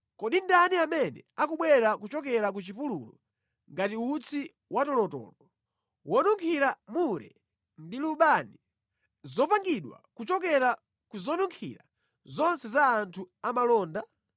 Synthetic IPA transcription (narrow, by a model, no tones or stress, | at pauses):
kɔɗindaniamɛnɛ̰akuɓwɛɾakut͡ʃɔk̬ɛɾak̬ut͡ʃipululɔ | ŋɡatiut͡sʰi | watɔlɔtɔ̰ːlɔ | wɔnuŋkʰiɾamuɾɛ̰ | ndiluɓani | zɔpaŋɡiɗwa̰kut͡ʃɔk̬ɛɾa | kuzɔnuŋkʰḭɾa̰ | zɔnsɛzaːntʰuamalɔːnda